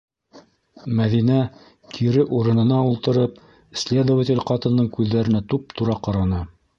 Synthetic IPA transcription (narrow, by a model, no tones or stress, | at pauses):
mæðinæ | kʰiɾɘʔuɾɤ̆nɤ̆nɑulˠt̪ɤ̆ɾɤp̚ | sʲlʲed̪ovətʲɪ̆lʲqɑt̪ɤ̆nːɤɴkʉðːæɾɘ̆næt̪up̚t̪uɾɑqɑɾɑnɤ